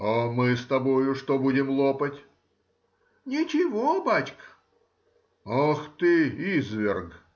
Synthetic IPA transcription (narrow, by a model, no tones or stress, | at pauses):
amɨst̪ɐbojʊʂt̪obudʲɪmlˠopətʲ | nʲɪt͡ɕɪvobat͡ɕk | axt̪ɨizvʲɪrɡ